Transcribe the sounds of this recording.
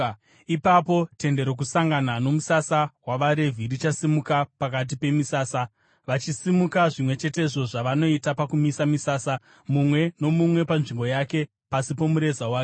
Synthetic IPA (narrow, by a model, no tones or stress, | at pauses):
ipapo̞te̞nde̞ɾok̬usaŋɡanano̞musasawaʋaɾe̞vʱirit͡ʃasimukapak̬at̬ipe̞misaːsa | ʋat͡ʃisimukaʐimwe̞t͡ʃe̞t̬e̞iʐo̞ʐaʋano̞itapakumisamisaːsa | mumwe̞no̞mumwe̞panʐimbo̞jake̞ | pasipomuɾe̞zawaːke